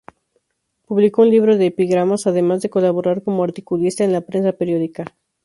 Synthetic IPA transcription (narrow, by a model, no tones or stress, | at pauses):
puβliko̞unliβɾo̞ðe̞ːpiɣɾamasað̞e̞mazðe̞ko̞laβ̞o̞ɾaɾko̞moaɾt̪i̥kulist̪ae̞nlapɾe̞ns̬ape̞ɾjo̞ðika